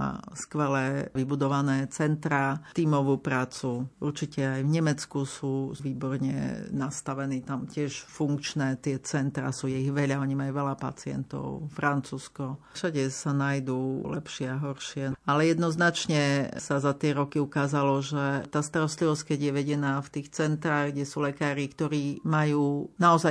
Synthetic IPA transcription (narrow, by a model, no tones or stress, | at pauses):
a̰skʋɛlɛʋibud̪ɔʋanɛːt͡sɛnt̪ɾat̪iːmɔʋuːpɾaːt͡suuɾt͡ʃicɛajvɲɛmɛt͡skusuːʋiːbɔɾɲɛ̰nast̪aʋɛniːt̪amcɪɛʃfuŋkt͡ʃnɛːt̪ɪɛt͡sɛnt̪ɾa̰suːjɛiɣʋɛʎaɔɲimajuʋɛʎapa̰t͡sɪɛ̰nt̪ɔ̰ʊfɾant͡suːskɔfʃaɟɛsanajd̪ulɛ̰pʃɪɛaɦɔɾʃɪɛalɛjɛd̪nɔznat͡ʃɲɛsazat̪ɪɛɾɔkiukaːzalɔʒɛt̪aːst̪aɾɔst̪liʋɔsckɛɟjɛʋɛɟɛnaːft̪iːxt͡sɛnt̪ɾaːɣɡɟɛsuːlɛkaːɾikt̪ɔɾiːmajuːnaɔzaj